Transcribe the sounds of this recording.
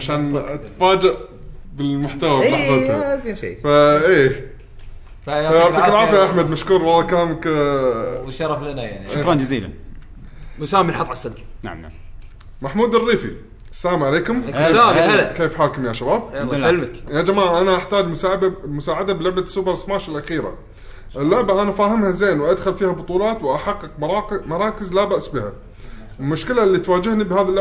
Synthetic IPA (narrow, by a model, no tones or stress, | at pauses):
ʕaʃaːnt̪faːd͡ʒaʔ | bɪlmʊħt̪awamaħˤad̪az̰faʔeː | ajaakɪlʕaːfɪjaʔaħmad̪maʃkuːɾˤwɑlːɑkalaːmak | wʃɑɾˤɑflanaja̰ʕniʃkɾɑnd͡ʒaziːla̰n | mʊsaːmilħɑt̪ˤʕasːald͡ʒna̰ʕma̰ | maħmuːd̪ɪrːiːfḭ | sːalaːmʕaleːkʊmsaːalkeːfħaːkʊmjaʃabaːb̚almɪkjad͡ʒamaːʕʔanaʔaħt̪aːd͡ʒmʊsaːbmʊsaːʕad̪ablʊʕbḁsʊbɑɾˤsmaːʃɪlʔaxiːɾa̰ | ʔɪlːʊʕbaʔanafaːɦɪmhazeːnwʔad̪xʊlfiːhabʊt̪ˤuːlɑːt̪wʔaħaqːɨq̚mˤɑːmɑɾˤɑːkɪzlabaʔsbiha | ɪlmʊʃkɪlalːiːt̪waːd͡ʒɪhnibhaːðalːʊ